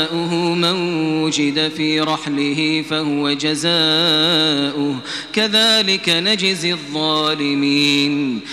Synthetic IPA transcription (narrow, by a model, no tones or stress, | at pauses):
ʔʊɦʊmanwwʊd͡ʒɪd̪afiːɾˤɑħlɪhɪfahʊwad͡ʒazaː | ʔʊh | kaðaːlɪkanad͡ʒɪzɪðˤːɑːlɪmiːn